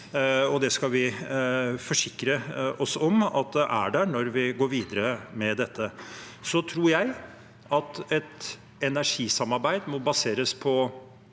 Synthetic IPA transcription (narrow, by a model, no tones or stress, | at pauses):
ɔd̪ɛskɑlʋɪ | fɔʂɪkːɾəɔsɔmɑ̰t̪̚d̪ɛʔæɖæɾnɔɾʋɪɡoːɾʋiːd̪əɾəmɛd̪ɛt̪ʰːə | sɔt̪ʰɾuːɾjæɪ | ɑt̪ɛt̪ | ɛnæʂiːsɑmɑɾbæɪd̪mɔbɑseːɾəspʰɔ